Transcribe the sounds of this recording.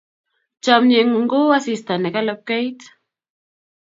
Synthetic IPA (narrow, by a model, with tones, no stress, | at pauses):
t͡ʃamɲe˨ŋɡo˦a˦sist̪a˨ne˨ka˦lap̚ke˦jt̪